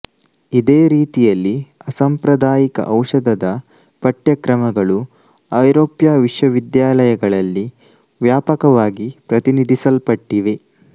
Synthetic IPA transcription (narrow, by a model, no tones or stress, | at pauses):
id̪eːɾiːt̪ijɐlːiɐsɐmpɾɐd̪aːjikɐ̰ʔɐwʂɐd̪ʱɐd̪ɐ | pɐʈjɐkɾɐmɐɡɐɭu | ɐjɾoːpjaːʋiʂʋɐʋid̪jaːlɐjɐɡɐɭɐlːi | ʋjaːpɐkɐʋaːɡipɾɐt̪inid̪ʱisɐlpɐʈːiʋe̞